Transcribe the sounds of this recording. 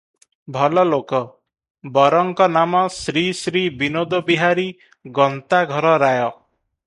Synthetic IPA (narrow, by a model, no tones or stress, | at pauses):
bʱɔlɔlokɔ | bɔɾɔŋkɔnamɔsɾisɾibinod̪ɔbiɦaɾi | ɡɔnt̪aɡʱɔɾɔɾajɔ